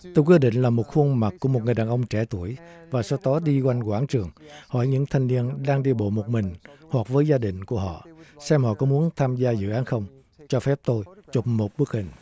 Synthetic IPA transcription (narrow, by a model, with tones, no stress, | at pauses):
t̪o˧jkwəɗḭ˧˨ŋ̟laː˨˩mo˨˩t̚xu˧ənma˨˩t̚kːu˧˩əmo˨˩t̚ŋɨ˨˩əjɗaː˨˩ʔə˧wŋ͡mt͡ɕɛ˧˩t̪u˧˩əjvaː˨˩sɔ˧t̪ɔ˨˦ɗi˧kwa˧jŋ̟kwaː˧˥nt͡ɕɨ˨˩əŋhɔ̰˧˩jɲɨ̰˧˥ŋt̪ʰa˧jŋ̟ni˧ənɗaː˧ŋɗi˧əɓo̰˧˨mo˨˩t̚mï˨˩ŋ̟hwa˨˩k̚vəː˨˦jzaː˧ɗï˧˨ŋ̟ku˧˩əɦɔ̰˧˨sɛ˧mhɔ̰˧˨kɔ˨˦mu˨˦ənt̪ʰaː˧mzaː˧zɨ̰˧˨ʔaː˨˦nxə˧wŋ͡m | t͡ɕɔ˧fɛ˦˥p̚t̪o˧jt͡ɕo˨˩p̚mo˨˩t̚ɓɨ˦˥ək̚hï˨˩ŋ̟